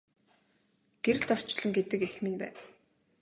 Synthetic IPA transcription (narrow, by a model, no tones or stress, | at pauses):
ɡ̥eɾɘ̆ɮt̪ɔr̥t͡ɕɮɞ̆ŋɡet̪ɘ̆kex̆mĭnpæ̰ːw